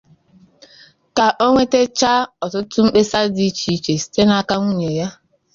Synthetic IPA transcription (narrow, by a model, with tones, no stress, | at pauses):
ka˨ʔo˦ŋʷe˦te˦t͡ʃa˦ɔ˨tʊ˦tʊ˦m̩˦k͡pe˦sa˦di˦t͡ʃi˨˦˨t͡ʃe˨si̥˦te˦na˦ka˦ŋʷu˦ɲe˨ja˦